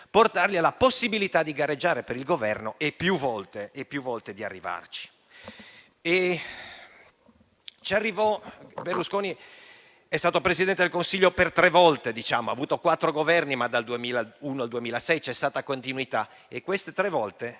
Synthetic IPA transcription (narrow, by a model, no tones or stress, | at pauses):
port̪arʎialaposːibilit̪ad̪iɡaɾed͡ʒːaːɾepeɾilɡovɛrnoʔepːjuvɔlt̪eːpːjuvːɔlt̪ed̪ia̰rːiva̰rt͡ʃi̥ | e | t͡ʃiarːivɔberluskoːni | ɛst̪aːt̪opɾezid̪ɛnt̪ed̪elkonsiʎːopert̪ɾɛvɔlt̪ed̪it͡ʃaːmoa̰ːvuːt̪okwat̪ːɾoɡovɛrnimad̪ald̪uemiːlauːnoald̪uemiːlasɛjt͡ʃɛst̪aːt̪akont̪inuit̪a | ekwest̪et̪ɾevɔlt̪e